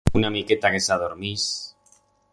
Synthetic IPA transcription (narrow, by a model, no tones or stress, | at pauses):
unamiket̪akesaðoɾmis